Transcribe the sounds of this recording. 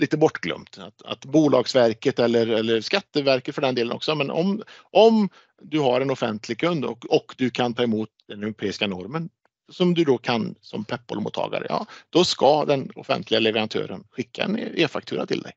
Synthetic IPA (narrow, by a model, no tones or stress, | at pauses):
liːt̪əbɔʈːɡlœ̰mt̪at̪a̰t̪buːlɑːɡsvæɾkət̪ɛlːəɾɛlːəɾskat̪ːəvæɾkət̪fœɖɛnd̪eːlənɔ̰ksɔmɛnʔɔ̰mʔɔm | d̪ɵɦaɾɛnʊfɛ̰nt̪lɪɡ̚kʰɵnd̪ɔ̰ɔkd̪ɵkʰant̪ʰɑːɪmuːt̪̚d̪ɛnɛʊɾʊpʰeːɪskanɔɾmən | sɔmd̪ɵd̪ɔkʰansɔ̰mpʰɛpːɔ̰lmṵːt̪ʰːɑ̰ːɡa̰ɾə̰jɑ̰ːd̪̥ɔskad̪ɛnʊfɛ̰nt̪ʰlɪɡalɛvəɾant̪ʰø̰ːɾə̰nɧɪkʰːa̰ɛ̰neːfak̚t̪ʰʉːɾa̰t̪ʰɪ̰ld̪ɛ̰j